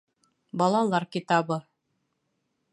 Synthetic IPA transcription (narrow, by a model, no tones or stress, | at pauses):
bɑlˠɑlˠɑɾkit̪ɑβɤ